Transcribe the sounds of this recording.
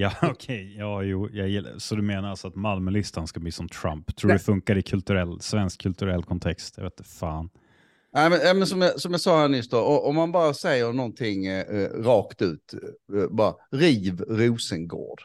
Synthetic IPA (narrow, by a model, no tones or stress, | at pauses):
jɑːɔkʰɛjjɑːjuːjɑjɪ̰sɔd̪ɵmeːnaɾasɔat̪malməlɪst̪anskabliːsɔmt̪ʰɾa̰mpt̪ʰɾuːɖ̪ɛfɵŋkaɾɪkʰɵlt̪ɵɾɛlːsvɛnskʰːɵlt̪ɵɾɛlːkʰɔnt̪ʰɛkst̪jɑ̰veːt̪faːn | næɪmɛnæɪmɛnsɔmjɑsɔmjɑsɑːhæːɳnʏst̪d̪oɔʔɔmːanbɑːɾasɛjːəɾɳɔnt̪ʰɪŋɾɑːkt̪ʉ̟ːt̪bɑːɾa̰ɾiːvɾuːsənɡo̰ːɖ̥